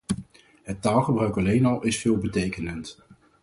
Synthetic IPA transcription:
ɦətːaːlˠχəbrœɥkɑlejnɑlˠʔɪsfɪːlˠbətejkənənt

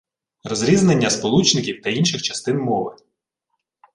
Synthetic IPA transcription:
rɔzɾʲiznenʲːɐspɔlˠut͡ʃnɪkʲiwt̪ɐinʃɪxt͡ʃɐst̪ɪnmɔʋɪ

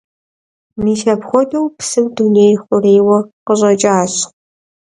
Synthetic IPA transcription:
miːʃɐpxʷɔdɐwpsɨmdunejxʷʊreːwɐqəʑʼɐt͡ʃʼaːɕ

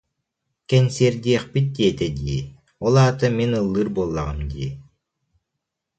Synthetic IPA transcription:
kɛnʲsiɾd̪ʲiɛχpit̪̚d̪iɛt̪ɛd̪iː | ɔlˠaːt̪ɯminɯlˠːɯɾbolˠːaʁɯmd̪ḭː

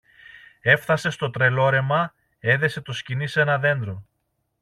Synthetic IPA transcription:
e̞fθɐse̞st̪o̞t̪ɾe̞lo̞ɾe̞mɐ | e̞ðe̞se̞t̪o̞scinise̞nɐðe̞nd̪ɾo̞

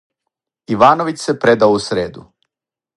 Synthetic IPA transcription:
iʋaːnoʋit͡ɕsepɾed̪aousɾeːd̪ṵ

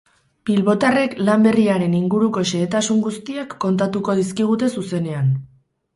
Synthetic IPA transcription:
bilβo̞t̪are̞klambe̞riaɾe̞niŋɡuɾuko̞ʃe̞ːt̪asuŋɡust̪iakːo̞nt̪at̪uko̞ðiskiɣ̞ut̪e̞suse̞ne̞an

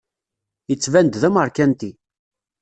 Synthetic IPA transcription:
jət͡sːvænd̪ðæməɾˤkænt̪i

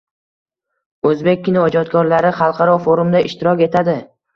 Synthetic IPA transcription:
ɵzbe̞k̚ʲːɪnɪɒd͡ʒɒt̪kʰɒɾlaɾɪχɑlˠqʰɑɾɒfoɾumd̪aʔɪʃt̪ɪɾɒkʲe̞t̪ʰad̪ɪ

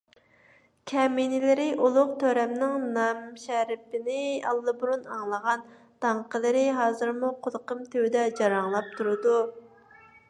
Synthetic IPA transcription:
kʲʰɛminɪlɪɾɪʔulˠʊqt̪ʰøɾɛmnɪŋnɑmʃɛɾɪpɪnɪɑ̰lˠːɨbuɾunɑŋlˠəʁɑn | t̪ʰɑɴqəlˠɨɾɪɦɑːzɨɾmuqʰolˠqəmt̪ʰøwd̪ɛd͡ʒɑɾɑŋlˠɑp̚t̪ʰuɾɨd̪u

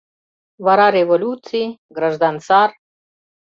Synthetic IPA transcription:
vaɾaɾevolʲut̪siɡɾaʒd̪ansar

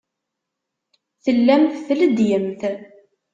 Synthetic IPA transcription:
θəlːæmθθləd̪jəmθ

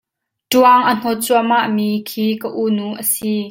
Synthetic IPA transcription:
tuəŋʔən̥ɔt͡suamaʔmikʰiːkəʔunuʔəsi

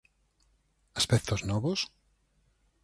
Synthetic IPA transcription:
aspɛk̚t̪oznɔβos

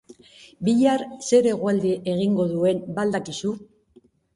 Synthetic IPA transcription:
biʎaɾse̞ɾe̞ɣwald̪iʔe̞ɣ̞iŋɡo̞ðue̞nbald̪akisu

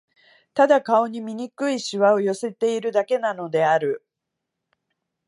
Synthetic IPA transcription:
t̪ad̪akao̞ɲ̟imʲiɲ̟ikɯ̟iɕiβao̞jo̞se̞t̪e̞iɾɯ̟d̪ake̞nano̞d̪e̞aɾɯ̟

